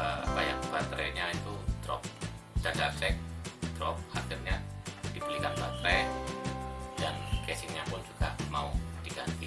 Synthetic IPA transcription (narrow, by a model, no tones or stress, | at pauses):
baja̰ʔbat̪ɾɛɲait̪ud̪̥ɾɔ̰p̚ | d̥adarsɛk̚d̪̥ɾɔp̚hat̪ɛrɲad̥ibəlikanbat̪ɾɛ | da̰nkɛsɪŋɲapʊnd͡ʒuɡ̥amaud̥iɡant̪i